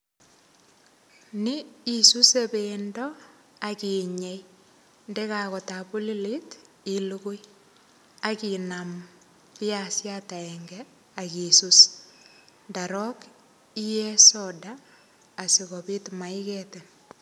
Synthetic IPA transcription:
ni˦isu˦sebendɔ | aki˨ɲe˦j | ndɛ˦ka˨kɔ˨ta˨pu˦li˦li˦t | i˦lukʊ˦j | a˨ki˨nam | pɪ˦a˨sjata˨ɛŋɡɛ | aki˨sus | nda˨ɾɔ˦k | i˦jɛ˦sɔdaː˨ | sɪ˨ɣɔbi˦tma˨ɪkɛte˨n

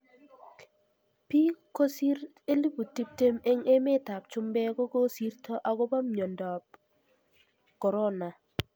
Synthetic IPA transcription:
pi˦ko˦si˦ɾ | e˦li˦bu˨ti˦p̚te˦me˦ŋe˦me˦ta˨p̚t͡ʃʊ˦mbɛ˦ɡo˦ɡo˦si˦rto˦ʔa˨ɡɔ˦ba˦mɲo˨ndɔ˨p | kɔ˨ɾɔ˦na˨

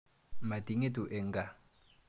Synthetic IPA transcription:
ma˨di˨ŋe˦tu˨ʔɛ˨ŋ˦ɡa˨

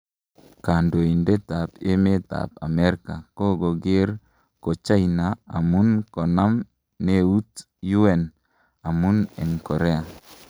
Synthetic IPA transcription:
ka˨ndo˨i˨nde˦ta˨pe˦me˦ta̰˨pa̰˨mɛ˦ɾka˨ko˦ɡo˨ɡe˦ɾ | ko˨t͡ʃa˦ina˨a̰˨mu˦nkɔ˨na˦m | ne˦u˦t | ju˦ɛ˨n | a˨mu˦nɛ˨nkɔ˨ɾɛ˦a˨

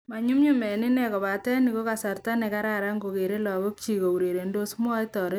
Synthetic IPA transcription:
ma˨ɲu˦mɲu˦mɛ˨ni˦nɛ˨kɔ˨βa˨tɛ˦ni˨ko˦ka˨sa˨ɾta˦ne˨ka˦ɾa˦ɾa˦ŋɡo˨ke˨ɾe˦lɔ˨ɣo˦k̚t͡ʃi˨ɣo˨u˨ɾe˨ɾe˨ndo˦sm˦ɔ˦i˦tɔ˨ɾe˦

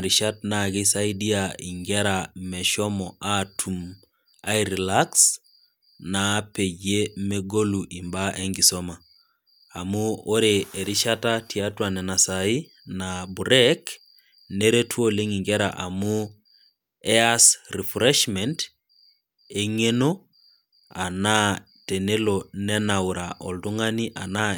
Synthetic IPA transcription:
ɾi˨ʃa˦t̚na˨ki˦sa˦i˦di˦ai˨ŋɡɛ˦ɾamɛ˨ʃɔ˦mɔʔa˦tʰu˨m | a˦iɾi˨laks | na˨˦pe˨d͡ʒe˦me˦ɡo˦lu˨ʔi˨mba˦ʔe˦ŋɡi˨sɔ˦ma˨ | a˨mu˦o˦ɾeː˨ɾi˦ʃatati˨a˦twa˨nɛ˨na˨sa˨i˦ | nabu˨ɾɛk | ne˦ɾe˦tʰuo˦le˦ŋi˨ŋɡɛ˦ɾa̰ʔa˨mu˦ | ɛ˦asɾi˨fɾɛʃmɛnt | e˦ŋe˦no | a˨na˦ | te˨ne˦lonɛ˦na˨wɾaʔɔ˨ldu˦ŋa˦ni˦ʔa̰˨na˦

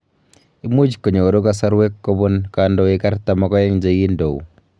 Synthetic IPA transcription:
i˦mu˦d͡ʒkːo˨ɲo˨ɾo˦kasa˦ɾwe˦kːo˦βo˦nkandɔe˦ka˦ɾta˨ma˨kɔ˦ja˦ɲd͡ʒa˦ji˦ndo̰˨ṵ˨

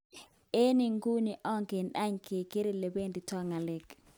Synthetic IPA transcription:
e˦ni˨ŋɡu˦ni˨ʔɔ˦ŋɡe˨na˦ɲke˨ke˦ɾi˨le˨be˦˨ndi˨tɔ˦ŋa˨lɪ˨k

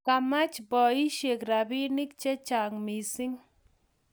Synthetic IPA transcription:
ka˨ma˦t͡ʃbɔ˨i˦ʃe˨kra˨bi˦nɪ˦k̚t͡ʃɛ˦t͡ʃa˨ŋmi˨sɪ˦ŋ

